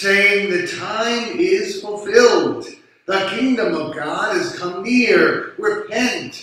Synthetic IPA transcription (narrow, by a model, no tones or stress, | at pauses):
seɪɪ̃ŋðɨtʰãɪ̃mɪz̥fl̩ˠfɪlˠd | ðəkʰɪ̃ŋdɨ̃mʌvɡɑɾɨz̥kʰʌ̃mniɹɹɨpʰɛ̃nt